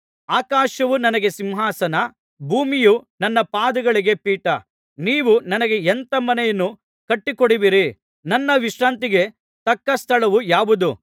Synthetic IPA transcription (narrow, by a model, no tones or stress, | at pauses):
aːkaːʃɐʋunɐnɐɡe̞simɦaːsɐnɐ | bʱuːmijunɐnːɐpaːd̪ɐɡɐɭiɡe̞piːʈɐ | niːʋunɐnɐɡe̞ent̪ɐmɐnɛjɐnːu | kɐʈːikoɽiʋiɾi | nɐnːɐʋiʃɾaːnt̪iɡe | t̪ɐkːɐst̪ʰɐɭɐʋujaːʋud̪u